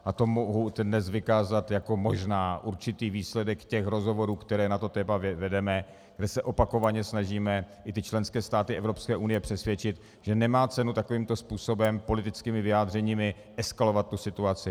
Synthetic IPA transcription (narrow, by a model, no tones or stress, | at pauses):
ʔat̪omoɦud̪dnɛsvɪkaːzat̪jako̞mo̞ʒnaːʔuɾt͡ʃɪt̪iːviːslɛdɛkcɛxɾo̞zɦo̞vo̞ɾuːkt̪ɛɾɛːnat̪o̞t̪ɛːmavvɛdɛmɛ | ɡ̥dɛsɛʔo̞pako̞vaɲɛsnaʒiːmɛ | ʔɪt̪ɪt͡ʃlɛnskɛːst̪aːt̪ɪʔɛvɾo̞pskɛːʔunɪjɛpr̝̥ɛsvjɛt͡ʃɪt̪ | ʒ̥ɛnɛmaːt͡sɛnut̪ako̞viːmt̪o̞spuːso̞bɛmpo̞lɪt̪ɪt͡skiːmɪvɪaːd̪r̝ɛɲiːmɪ | ʔɛskalovat̪̚ːusɪt̪uat͡sɪ